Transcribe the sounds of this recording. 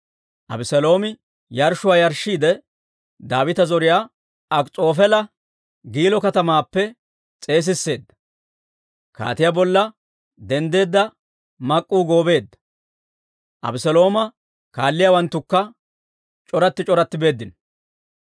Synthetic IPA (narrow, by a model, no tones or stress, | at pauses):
ʔɐ̰bɪsɛlo̞ːmɪ | jɐɾʃʊwaːjɐɾʃiːd̪ɛ | d̪aːwɪt̪ɐzɔɾɪjaː | ɐkʼt͡sʼo̞ːfɛlɐ | ɡiːlɔkɐt̪ɐmaːpːɛ | t͡sʼe̞ːs̬ɪsːe̞ːd̪ːɐ̥ | ka̰ːt̪ɪjaːbɔlːɐ | d̪ɛnd̪e̞ːd̪ːɐ | mɐkʼːuːɡo̞ːbe̞ːd̪ːɐ̥ | ʔɐ̰bɪsɛlo̞ːmɐ | kaːlːɪjawɐnt̪ːʊkːɐ | t͡ʃʼɔɾɐt̪ːɪt͡ʃʼɔɾɐt̪ːɪbe̞ːd̪ːɪn